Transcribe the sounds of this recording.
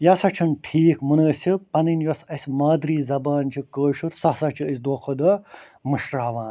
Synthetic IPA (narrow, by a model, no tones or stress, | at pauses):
jɐsɐt͡ʃʰɐnʈʰiːkmunəːsʲipɐnɨnjɐsɐsʲmaːd̪ɾiːzɐbaːnt͡ʃʰikəːʃuɾsɐsɐt͡ʃʰiəsʲd̪oːkʰɐd̪ɐ | mɨʃɾaːʋaːn